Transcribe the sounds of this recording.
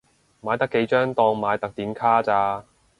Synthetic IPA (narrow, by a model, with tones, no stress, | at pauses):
maː˨˧jt̪ɐ˥kːe˨˧jt͡ʃœː˥ŋt̪ɔː˧ŋmaː˨˧jt̪ɐ˨k̚t̪iː˨˥nkʰaː˥t͡saː˧